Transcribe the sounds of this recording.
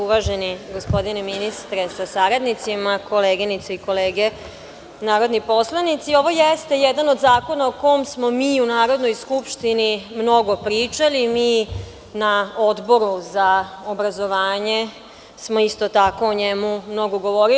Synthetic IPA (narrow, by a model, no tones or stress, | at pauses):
uʋaʒe̞niɡo̞spo̞d̪ineminist̪ɾesasaɾad̪nit̪simako̞leːɡinit̪saiko̞leːɡe | naːɾo̞d̪nipo̞slˠanit̪sio̞ʋo̞jest̪e̞jed̪ano̞d̪zaːko̞naoko̞jomsmo̞miːunaːɾo̞d̪nojskupʃt̪inimno̞ɡo̞pɾiːt͡ʃalimiː | naod̪bo̞ɾuzaobɾazo̞ʋaːɲe̞ | smo̞ist̪o̞t̪ako̞oɲemumno̞ɡoɡo̞ʋo̞ɾi